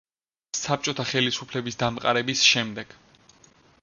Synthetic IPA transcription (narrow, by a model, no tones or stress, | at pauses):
sap̚t͡ʃʼɔt̪ʰaχɛlisupʰlɛbisd̪amqʼa̰ɾɛbisʃɛmd̪ɛɡ̥